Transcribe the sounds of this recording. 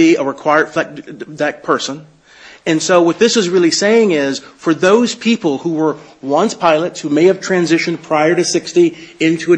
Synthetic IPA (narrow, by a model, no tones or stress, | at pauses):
iəɹɨkʰw̥aɪə˞d̥flɛk̚ðɨt̚pʰɜ˞sə̃n | ɨ̃nsoʊwʌt̪̚ðɪsɨzɹɪlˠiseɪɪ̃ŋɪz̥fə˞ðoʊz̥pʰipl̩ˠhuwə˞wʌ̃nspʰaɪlˠɨtshumeɪɨv̥tʰɹ̥æ̃nzɪʃɨ̃npʰɹ̥aɪə˞ɾɨsɪkstiɪ̃ntʰʉɨ